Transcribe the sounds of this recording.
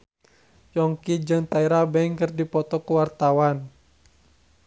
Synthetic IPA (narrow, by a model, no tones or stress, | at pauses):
jɔŋkid͡ʒɨŋt̪aiɾabɛŋkɨrdipɔt̪ɔkuwart̪awan